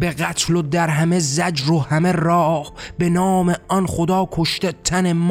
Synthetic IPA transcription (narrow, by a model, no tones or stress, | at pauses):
be̞ɣæt̪ʰlod̪æɾɦæmezæd͡ʒɾohæme̞rɒːhbe̞nɒːmeɒnχod̪ɒːkʰo̞ʃt̪et̪ʰænem